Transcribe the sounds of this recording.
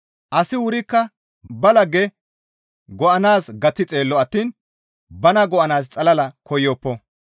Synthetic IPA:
ʔɐsɪwʊɾɪkːɐ | bɐlɐɡɛ | ɡɔʔɐnaːsɡɐt͡sːɪt͡sʼe̞ːlːɔɐt̪ːiːn | bɐnɐɡɔʔɐnaːst͡sʼɐlɐlɐkɔjːɔːpːɔ

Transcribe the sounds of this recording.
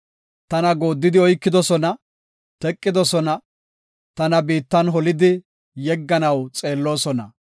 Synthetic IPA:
t̪ɐnɐɡo̞ːd̪ːɪd̪ɪɔjkːɪd̪ɔsɔnɐ | t̪ɛkʼːɪd̪ɔsɔnɐ | t̪ɐnɐbiːt̪ːɐnɦɔlɪd̪ɪ | jɛɡːɐnɐwt͡sʼe̞ːlːo̞ːsɔnɐ̰

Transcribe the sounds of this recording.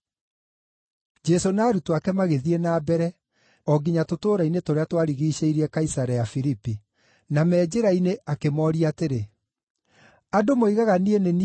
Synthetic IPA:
d͡ʒɛsonaːɾutwakɛmaɣeðienaːbɛɾɛ | ɔɡiɲatotoːɾainetoɾeatwaɾiɣiːɕeiɾɛkaisaɾɛjafiɾipi | namɛːd͡ʑeɾaineʔakemɔɾiateɾe | adomoiɣaɣanieneni

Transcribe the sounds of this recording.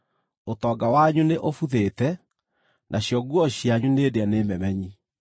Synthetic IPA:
otɔɡawaɲuneʔofuðetɛ | nʔaɕjɔɡwɔɕjaɲuneːdeanemɛmɛɲi

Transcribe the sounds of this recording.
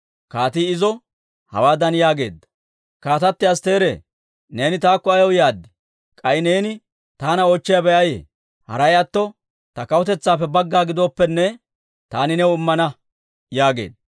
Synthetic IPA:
kaːt̪iːɪzɔ | hɐ̰waːd̪ɐnjaːɡe̞̰ːd̪ːɐ̥ | kaːt̪ɐt̪ːɪɐst̪e̞ːɾḛː | ne̞ːnɪt̪aːkːɔɐjɔwjaːd̪ːɪ̥ | kʼɐjɪneːnɪ | t̪aːnɐɔt͡ʃːɪjabɛʔɐjḛ | hɐ̰ɾɐjɐt̪ːɔ | t̪ɐkɐwɔt̪ɛt͡sːaːpːɛbɐɡːaːɡɪd̪oːpːɛnːɛ | t̪aːnɪnɛwʊmːɐnɐ | jaːɡe̞̰ːd̪ɐ

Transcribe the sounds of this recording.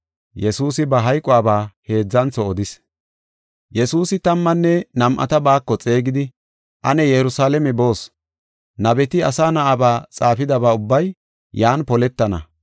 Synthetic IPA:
jɛsuːsɪbɐɦɐjkʼʊaːbaːhe̞ːd͡zːɐnt͡sːɔːd̪ɪs | jɛsuːsɪt̪ɐmːɐnːɛnɐmʔɐ̰t̪ɐbaːkːɔt͡sʼe̞ːɡɪd̪ɪ | ʔɐnɛjɛɾʊsaːlɛmɛbo̞ːs | nɐbɛt̪ɪɐsaːnɐʔabaːt͡sʼaːfɪd̪ɐbaːʊbːɐj | jaːnpɔlɛt̪ːɐnɐ̰

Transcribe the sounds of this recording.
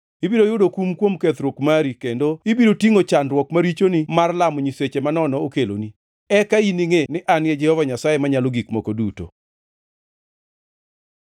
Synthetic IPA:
ibiɾojʊdokumkwomkɛt̪ɾwokmaɾikendoibiɾotiŋot͡ʃanɾwɔkmaɾit͡ʃonimarlamɔɲiset͡ʃemanɔnɔokelo̰ni | ɛkainiŋenɪʔanjɛd͡ʒɛhɔvaɲasajemaɲaloɡikmokoduto̰

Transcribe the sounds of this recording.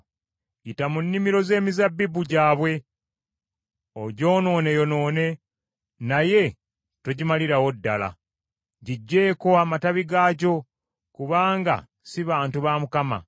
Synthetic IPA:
itamunːimiɾo̞ze̞ːmizabːibuɟaːβwe̞ | oɟo̞ːno̞ːne̞jo̞no̞ːne̞ | naje̞ | toɟimaliɾawo̞dːala̰ | ɟiɟːe̞ːko̞amataβiɡaːɟo̞ | kuβaːŋɡa̰ | siβaːntuβamukama̰

